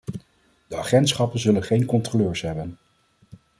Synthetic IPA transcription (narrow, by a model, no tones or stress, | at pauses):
d̥əaχɛntsχɑpənzɵlənχejnkɔntroløːɹsɦɛbən